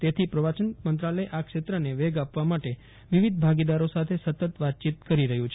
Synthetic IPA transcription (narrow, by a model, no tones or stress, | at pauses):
t̪et̪ʰipɾəʋat͡ʃənmənt̪ɾaləjʔakʂet̪ɾəneʋɛɡapʋamaʈe | ʋiʋid̪̚bʱaɡid̪aɾosat̪ʰesət̪ət̪ʋat̪̚t͡ʃit̪̚kəɾiɾəɦũt͡ʃʰ